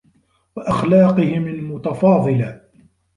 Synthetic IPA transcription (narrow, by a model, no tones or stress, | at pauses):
waʔaxlɑːqɨhɪmalmʊt̪afɑːðˤɨla